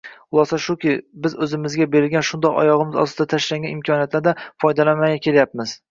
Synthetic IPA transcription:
ʊlˠɒsaʃʊkʲɪbɪzɵzɪmɪzɡʲabe̞ɾɪlɡʲanʃʊnd̪ɒqɒ̰jɒʁɨmɪzɒ̰st̪ɪd̪at̪ʰaʃlaŋɡʲanɪmkʲʰɒnijat̪laɾd̪afɒjd̪alanmaɡʲakʲʰe̞ljapmɪz̥

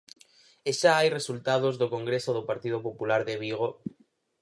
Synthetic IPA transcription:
eʃaajresult̪að̞ozðokoŋɡɾesoðopaɾt̪iðopopulaɾðeβiɣ̞o

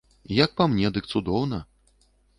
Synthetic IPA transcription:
jɐk̚pamnʲɛd̪ɨkt̪sud̪ɔwnɐ

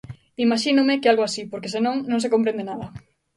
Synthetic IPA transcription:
imaʃinʊmɪkealɣoasipoɾkesenõŋnõŋs̬ekõmpɾẽnd̪enaðɐ

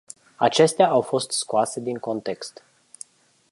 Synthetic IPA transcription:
at͡ʃe̞st̪eaawfo̞st̪skoase̞d̪iŋko̞nt̪e̞kst̪

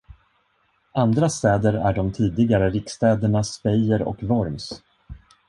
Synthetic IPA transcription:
and̪ɾast̪ɛːd̪əɾæ̰ɖɔmt̪ʰiːd̪ɪɡaɾəɾɪkst̪ɛːd̪əɳaspɛjəɾɔ̰kvɔɾms

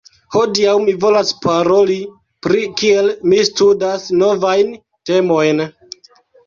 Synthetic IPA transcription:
ho̞diawmivo̞laspaɾo̞li | pɾikie̞lmistudasno̞vajn | te̞mo̞jn

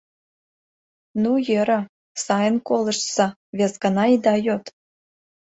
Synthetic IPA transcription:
nujɘɾə̆ | sɑjənkolˠə̆ʃsɑ̆ | βʲezɡɑnɑid̪ɑjot̪

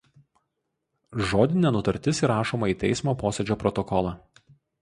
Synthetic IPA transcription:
ʒoːd̪ʲɪnʲɛnʊt̪ɐɾʲt̪ʲɪsiɾɑːʃoːmɐiːt̪ʲɛ̰ɪsmoːpoːsʲɛd͡ʒʲoːpɾɔt̪ɔkɔlˠɑː

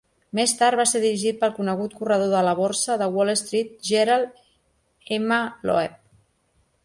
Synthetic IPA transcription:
mest̪aɾt̪̚βaseɾðiɾiʒit̪̚pəlˠkunəɣut̪̚kurəð̞oðələβorsəðəwɔlest̪ɾit̪̚ʒeɾalˠ | ɛməlɔ̰ɛp̚

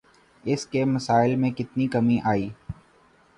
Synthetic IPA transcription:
ɪskemɐsaːɪlmẽkɪt̪nikɐmĩʔaːiː

